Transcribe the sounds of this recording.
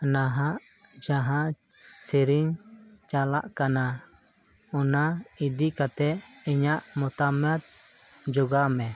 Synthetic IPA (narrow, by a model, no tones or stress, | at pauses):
naɦaʔ | d͡ʒaɦaʔ | siɾiŋt͡ʃala̰ʔkana | ɔnaid̪ikat̪ɛɛɲaʔmɔt̪amɛt̪̚ | d͡ʒɔɡamɛ